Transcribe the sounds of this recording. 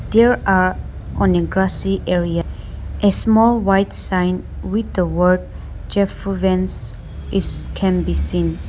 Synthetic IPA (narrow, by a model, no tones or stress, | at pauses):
d̪ɛɹaɹ | ʔɔ̃neɡɹasiʔɛɹiaʔesmɔlˠwajtsãɪ̃n | wid̪əwɜ˞d̚ | d͡ʒɛfvɛ̃ns | iskʰɛ̃nbisĩn